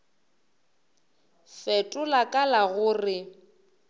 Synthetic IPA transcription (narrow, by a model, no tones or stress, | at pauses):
fɛtʼʊlakʼalaɣʊːrɪ